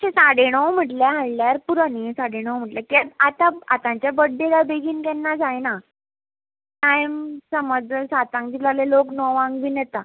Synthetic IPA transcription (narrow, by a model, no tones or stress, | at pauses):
t͡ɕẽsaɽeɳ̃əwm̤əʈljaɦaɭlaɾpuɾanisaɽeɽ̃əwm̤əʈljakiaat̪aa̰t̪ãɲt͡ɕjabəɖːelabeɡiːnkɛnːad͡zajna | sajmsəməd͡zsat̪ãŋkd͡ʑilaleloknɔʋãŋɡʋinɛt̪a